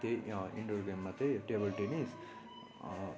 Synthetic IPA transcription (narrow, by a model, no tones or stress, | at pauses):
t̪eḭɳɖoɾɡemːɐt̪ːeʈeːbɐlʈenis